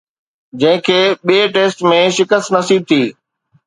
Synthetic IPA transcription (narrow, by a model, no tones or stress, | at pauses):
d͡ʑɐ̃ɦɪ̃kʰeːɓeːʈeːsʈmẽʃɪkəst̪nɐsiːb̚t̪ʰiː